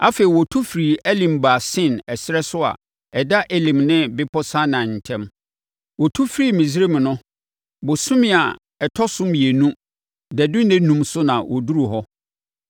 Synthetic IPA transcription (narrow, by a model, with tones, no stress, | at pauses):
a˦fe˨i˨wɔ˨tʰu˦fɾi˨ʔɛ˦lĩ˨mbaː˨sɪ̃˦˨nɛ˨sɪ˦ɾɛ˦sʊ˦a̰˨ | ɛ˨da˦ʔe˨lĩ˨mnɪ̃˦bɪ˦pʰɔ˦sã˦nã˨n̩˨tʰɛ̃˦m | wɔ˨tʰu˦fɾiː˦mĩ˨s̬i˦e˦mɪ̃˨nʊ̃˦ | bʊ˨sʊ̃˦mɪ̃˦˨a˨ | ɛ˨tʰɔ˦sʊ̃˦mi˨e˨nũ˦ | dɛ˨dʊ˦nɛ̃˦nũ˦msʊ˦nã˨wʔɔ˨du˦ɾu˨ɦɔ˦